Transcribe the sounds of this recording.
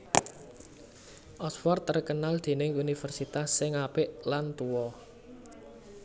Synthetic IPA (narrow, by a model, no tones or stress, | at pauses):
ʔɔsfɔrt̪ːərkənald̪̥e̤nɪŋunifərsit̪asːɪŋapɪʔlant̪uwɔ